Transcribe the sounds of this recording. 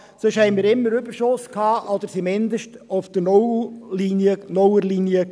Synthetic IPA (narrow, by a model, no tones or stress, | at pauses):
søʃhɛɪnmiːɾɪmːəɾʏbəɾʃʊskhɑːʔɔd̪̥əɾsimɪnd̪əʃtoʊfd̥̪ənɔlinənɔwəlinjə